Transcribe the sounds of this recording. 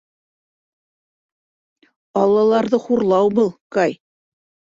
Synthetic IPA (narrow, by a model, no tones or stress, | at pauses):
ɑlˠːɑlˠɑɾðɤχuɾlˠɑwbɤlˠkɑj